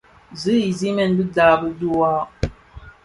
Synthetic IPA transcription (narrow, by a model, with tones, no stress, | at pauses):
zɨ˦i˨zi˦mɛ˦˨nbi˦daː˨bə˦du˦a˦